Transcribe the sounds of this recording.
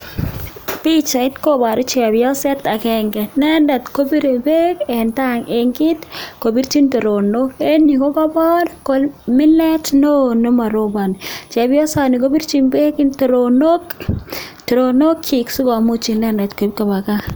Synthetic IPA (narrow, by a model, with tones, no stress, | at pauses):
pi˦t͡ʃa˨ɪ˦tko˦ba˨ɾʊ˦t͡ʃa˨bɪjɔ˦sɛ˦ta˨kɛ˦ŋɡɛ˨nɛ˦ndɛ˨tko˦bi˦ɾe˨be˦kɛ˨nta˦ŋe˨ŋɡɪ˦tko˨bi˦ɾt͡ʃi˦nto˨ɾo˨no˦ke˦ni˨ko˦ba˦bɔ˦ɾko˨lmɪ˦lɛ˦tno˦no˦ma˨ɾo˨ba˨n˨t͡ʃɛ˨bjɔ˦sa˨ni˨ko˦bi˦ɾt͡ʃi˦nbe˦kɪ˦nto˨ɾo˨no˦k | to˨ɾo˨no˦kt͡ʃi˨ksu˦ɡɔ˨mu˦t͡ʃi˨nɛ˦nda˨tko˨bka˨ba˨ka˦